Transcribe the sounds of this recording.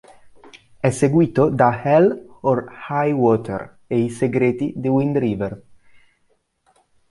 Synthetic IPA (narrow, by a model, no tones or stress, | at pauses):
ɛseɡwiːt̪od̪ahɛlorhajwɔt̪ʰḛɾ | eiseɡɾeːt̪id̪iwind̪ɾiːver